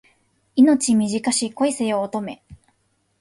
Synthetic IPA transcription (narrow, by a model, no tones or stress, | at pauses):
ino̞t͡ɕimʲiʑikaɕiːko̞ise̞oːt̪o̞me̞̰